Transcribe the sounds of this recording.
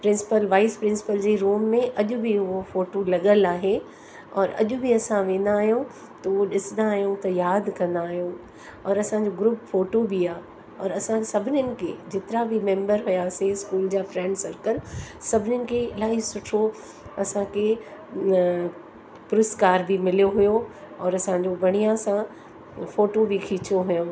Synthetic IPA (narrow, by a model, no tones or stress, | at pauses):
pɾɪ̃nsɪ̥pəlʋaːɪspɾɪ̃nsɪ̥pəld͡ʑeɾuːmːẽʔɐʄʊbʱiɦofoːʈolɐɠəlaːɦe | ɔːɾɐ̰ʄʊbʱiɐsãʋẽːnd̪aːɦjõ | t̪ɐʋoɗɪsnd̪aːɦjõt̪ɐjaːd̪kɐ̃ɾnd̪aːɦijõ | ɔːɾɐsãd͡ʑoɡɾʊːpfoːʈobʱiaː | ɔːɾɐsãsɐbʱɪnənɪ̆kḛd͡ʑɪt̪ɪɾabʱimẽːmbəɾɦʊjaseskuːld͡ʑaːfɾɛ̃ːɳɖsɐɾkəlsɐbʱɪnjənɪ̆kʰeɪlaːɦisʊʈʰo | ɐsãkʰe | pʊɾɪskaːɾbʱimɪlijoɦʊjo | ɔːɾɐsãɲd͡ʑobʱɐɽ̃ijãsã | foːʈobʱikʰiːt͡ɕjoɦʊjõ